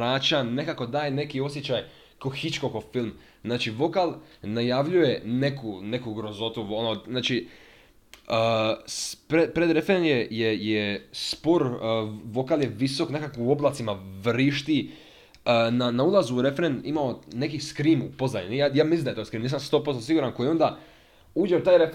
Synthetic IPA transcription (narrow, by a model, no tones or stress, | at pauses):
ɾaːt͡ɕanekako̞d̪aːjne̞kio̞s̬jet͡ɕaj | koxit͡ʃkokofilˠm | znaːt͡ʃiʋo̞kalˠnajaʋʎuje̞ne̞kune̞kuɡɾozo̞t̪uonoznaːt͡ʃi | əspɾepɾed̪ɾe̞fɾenjejejespo̞ɾʋo̞kaljeʋiso̞kne̞kakːo̞blˠat̪simaʋɾiʃt̪i | ənanaulˠazuːɾefɾenḭmaone̞kiskɾiːmupo̞znaɲunijajaːmislinaet̪ojskɾiːmniːs̬amst̪opozsiɡuɾanko̞jio̞nd̪a | uːd͡ʒeot̪aːjɾef